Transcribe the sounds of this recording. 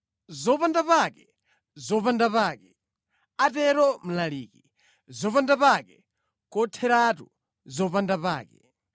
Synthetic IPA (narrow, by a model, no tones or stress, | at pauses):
zɔpandapakɛ | zɔpandapaːkɛ | atɛɾɔm̩laliːki | zɔpandapakɛ | kɔtʰɛɾatu | zɔpandapaːkɛ̰